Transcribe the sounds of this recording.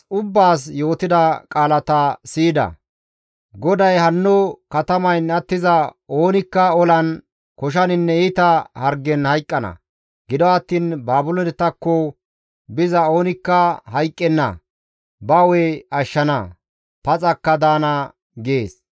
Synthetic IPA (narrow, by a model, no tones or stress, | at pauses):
ʊbːaːs̬jo̞ːt̪ɪd̪ɐkʼaːlɐt̪ɐsiːd̪ɐ̰ | ɡɔd̪ɐjhɐnːɔkɐt̪ɐmɐjnɐt̪ːɪzɐo̞ːnɪkːɐɔlɐn | kɔʃ̬ɐnɪnːɛit̪ɐhɐɾɡɛnhɐjkʼːɐnɐ̰ | ɡɪd̪ɔɐt̪ːiːnbaːbʊlɔnɛt̪ːɐkːɔ | bɪzɐo̞ːnɪkːɐhɐjkʼːɛnːɐ̰ | bɐwɛɐʃːɐnɐ̰ | pɐt͡sʼɐkːɐd̪aːnɐ | ɡeːs